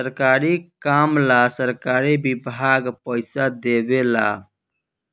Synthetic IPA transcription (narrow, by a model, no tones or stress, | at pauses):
əɾkaɾikamlasəɾkaɾibibʱaɡpəɪsad̪ebela̰